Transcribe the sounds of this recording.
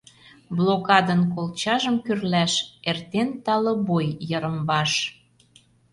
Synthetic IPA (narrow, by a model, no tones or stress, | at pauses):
blokɑd̪ənkolt͡ɕɑʒəmkyrlæʃert̪ent̪ɑlɤ̆bojːəɾə̆mbɑʃ